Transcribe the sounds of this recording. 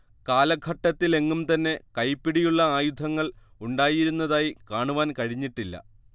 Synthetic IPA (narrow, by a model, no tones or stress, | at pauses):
kaːlɐɡʱɐʈːɐt̪ːile̞ŋːumt̪ɐnːe̞kɐjpːiɽijuɭːɐaːjud̪ʱɐŋːɐɭ | uɳɖaːjiɾunːɐðaːjikaːɳuʋaːnkɐɻiɲːiʈːilːɐ̰